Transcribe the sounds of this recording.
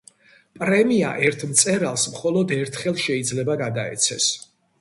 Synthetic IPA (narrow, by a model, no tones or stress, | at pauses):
pʼɾɛmia̰ʔɛɾt̪ʰmt̪sʼɛɾalˠsmχɔlˠɔd̪ɛɾt̪ʰχɛlˠʃɛid̪zlɛbaɡad̪aɛ̰t̪sʰɛs